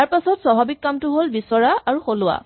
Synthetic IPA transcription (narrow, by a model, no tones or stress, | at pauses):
aɹpasɔtsabʱabikːamtʊɦolbisɔɹaaɹuxolʊwa̰